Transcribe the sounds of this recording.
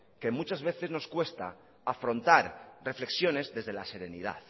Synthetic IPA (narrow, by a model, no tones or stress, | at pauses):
ke̞mut͡ʃazβe̞θe̞zno̞skwe̞st̪a̰ː | fɾo̞nt̪aɾre̞fle̞ksjo̞ne̞zðe̞zðelase̞ɾe̞nḭð̞a̰ð